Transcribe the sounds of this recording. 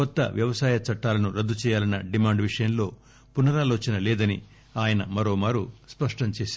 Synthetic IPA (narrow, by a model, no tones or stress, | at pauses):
kɔt̪ːɐ̰ʋjɐʋɐsaːjɐt͡ʃɐʈːaːlɐnuɾɐd̪ːut͡ʃɛːjaːlɐnːɐɖimaːɳɖʋiʂɐjɐnlo̞ː | punɐɾaːloːt͡ʃinɐlɛːd̪ɐni | aːjɐnɐmɐɾo̞ːmaːɾuspɐʂʈɐɲt͡ʃeːsaːu